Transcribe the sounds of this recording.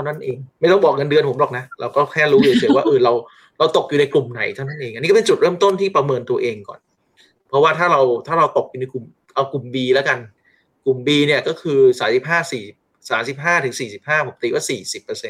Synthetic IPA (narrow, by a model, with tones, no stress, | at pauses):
t̪ʰa˥˩na˥˩nʔeː˧ŋma˥˩jt̪ɔ˥˩ŋbɔː˨˩k̚ŋa˧ndɯ˧ənpʰo˩˦mlɔː˨˩k̚na˦˥ʔɾʔa˧wkɔː˥˩kʰɛː˥˩ɾuː˦˥juː˨˩˦swaː˥˩ʔɤː˧˩ɾa˧w | ɾa˧wt̪o˨˩k̚juː˨na˧jklu˨˩mna˨˩˦jt̪ʰa˥˩na˥˩nʔeː˧ŋʔa˧niː˦˥kpe˧nt͡ɕu˨˩ɾɤː˥˩mt̪o˥˩nt̪ʰiː˥˩pɾa˧mɤː˧nt̪u˧ɐʔeː˧ŋkɔ̰ː˨˩n | pʰɔ˦˥waː˥˩t̪ʰaː˥˩ɾa˧wt̪ʰaː˥˩ɾa˧wt̪o˨˩k̚juː˨˩na˧jku˨˩m | ʔa˧wklu˨˩mbiː˧lɛ˦˥ka˧n | ku˨˩mbiː˧ni˥˩ɐkɔː˥˩kʰɯː˧saː˨˩˦msi˨˩p̚ɦaː˥˩siː˨˩i˨˩p̚ | saː˩˦msi˨˩p̚ɦaː˥˩t̪ʰɯ˩˦ŋsiː˨˩si˨˩p̚haː˥˩pʰo˩˦mt̪iː˧waː˥˩siː˨˩si˨˩pːɤː˧se˧n